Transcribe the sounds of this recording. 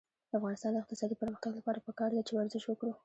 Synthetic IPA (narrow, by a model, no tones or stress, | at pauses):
d̪̥əafɣɑnɪst̪ɑnd̪əɪq̚t̪ɪsɑd̪ipəɾməxt̪aɡlapɑɾapəkɑɾd̪at͡ʃewaɾzɪʃwəkɽu